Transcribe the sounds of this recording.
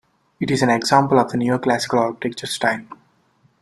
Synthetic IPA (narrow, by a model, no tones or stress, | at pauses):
ɪʈizæ̃neɡzãːmpəlɔʋd̪ənjuɔɾklæsɪ̥kəlaːɾkiʈek̚t͡ʃəɾsʈãɪ̃n